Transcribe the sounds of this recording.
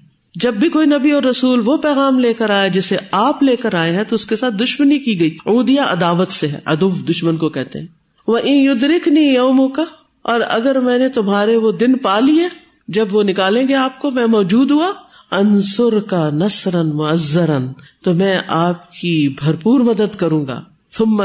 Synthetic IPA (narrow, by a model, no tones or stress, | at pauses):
d͡ʒɐbːikoːinɐbiɔːɾːɐsuːlʋopɛːɣaːmleːkəɾaːjad͡ʒɪseaːpleːkəɾaːẽɦɛ̃t̪oʊskesaːt̪̚d̪ʊʃmənikiɡɐiːuːd̪ijaʔɐ̰d̪aːʋət̪seɦɛ̰ʔɐ̰d̪ufd̪ʊʃmənkokɛɦt̪ḛɦɛ̃ː | ʋɐʔɪ̃njʊd̪ɾɪknijoːmõka | ɔːɾɐ̰ɡəɾmɛ̃ːnet̪ʊmɦaːɾeʋod̪ɪnpaːliɦɛ̃ | d͡ʒɐbʋonɪkaːlẽːɡeaːp̚komɛ̃ːmɔːd͡ʒuːd̪ɦua | ɐnsʊɾkanɐsɾɐnmʊɐzːəɾənt̪omɛ̃ːʔaːp̚kibʱɐɾpuːɾmɐd̪əd̪kɐɾũːŋɡa̰ː | θʊmː